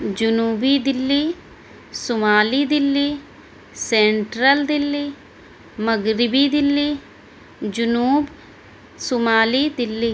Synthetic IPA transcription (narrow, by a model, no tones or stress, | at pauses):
d͡ʒʊnuːbiːd̪ɪlːiː | sʊmaːliːd̪ɪlːiː | sɛːɳʈɾəld̪ɪlːiː | məɡɾɪbiːd̪ɪlːiː | d͡ʒʊnuːb | sʊmaːliːd̪ɪlːiː